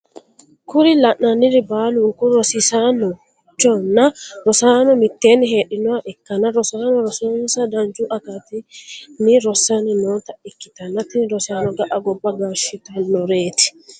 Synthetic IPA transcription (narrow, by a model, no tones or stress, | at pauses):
kʊɾɪlɐʔɐnɪɾɪbaːluːkʊɾɔsɪsaːnɔ | d͡ʒɔnːɐɾɔsaːnɔmɪt̪ːeːnːɪɦeːᶑɪnɔaʔɛkːɐnɐɾɔsaːnɔɾɔsɔnsɐd̪ɐnd͡ʒuːʔɐkat̪ɪnɪɾɔsːanɪnoːt̪ɐʔɪkːɪ̥t̪ɐnɐt̪ɪnɾɔsaːnɔɡɐʔɐɡɔbːɐɡaːʃɪt̪ɐnːɔɾeːt̪ɪ̥